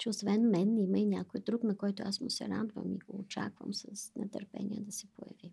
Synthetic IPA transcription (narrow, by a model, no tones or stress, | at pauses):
t͡ʃɛosvɛnmɛnimɐinʲakojd̪ɾuknɐkɔjt̪ʊasmʊsɛɾad̪və̰miɡoːt͡ʃakvə̰msɐsnɛt̪əɾpɛ̰nʲiəd̪ɐsɛpojɐ̰vi